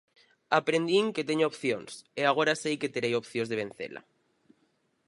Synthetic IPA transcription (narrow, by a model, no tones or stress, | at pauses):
apɾend̪iŋket̪eɲoopθjoŋseaɣ̞oɾasejket̪eɾejopθjozðeβ̞en̟θḛla̰